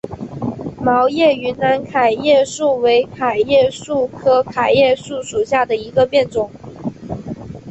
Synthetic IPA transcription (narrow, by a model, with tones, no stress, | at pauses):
mɑ˧˥ʊjɛ˥˩y˧˥na˧˥nkʰa˨˩ɪjɛ˥˧ʂu˥˩we˧˥ɪkʰa˨˩ɪjɛ˥˧ʂu˥˩kʰɤ˥kʰa˨˩ɪjɛ˥˧ʂu˥˩ʂu˨˩ɕja˥˩d̪ə˩i˧˥ɡə˧pjɛ˥˩nt͡sʊ˨˩˦ŋ